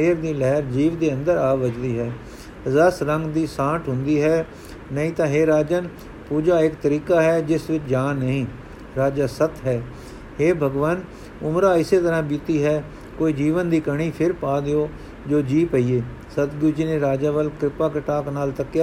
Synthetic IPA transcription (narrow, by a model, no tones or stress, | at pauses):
eːɾd̪iːlɛɦɾd͡ʒiːʋd̪eːə̃nd̪əɾaːʋəd͡ʒd̪iːɦɛː | zəsɾəŋɡd̪iːsãːʈɦʊnd̪iːɦɛː | nəɦĩːt̪ãːɦeːɾaːd͡ʒən | puːd͡ʒaːɪkt̪əɾiːkaːɦɛːd͡ʒɪsʋɪt͡ʃd͡ʒaːnːəɦĩː | ɾaːd͡ʒaːsət̪ɦɛː | heːbʱəɡʋaːn | ʊmɾaːɪseːt̪əɾãːbɪt̪iːɦɛː | koːiːd͡ʒiːʋənd̪iːkəɽ̃iːpʰɪɾpaːd̪eoː | d͡ʒoːd͡ʒiːpəiːeː | sət̪ɡʊːd͡ʒiːneːɾaːd͡ʒaːʋəlkɾɪpaːkəʈaːknaːlt̪əkːɪ